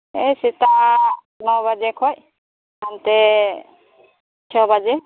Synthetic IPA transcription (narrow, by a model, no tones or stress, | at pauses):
ejsit̪a | nɔbad͡ʒekʰɔj | ant̪ɛ | t͡ʃʰɔbad͡ʒe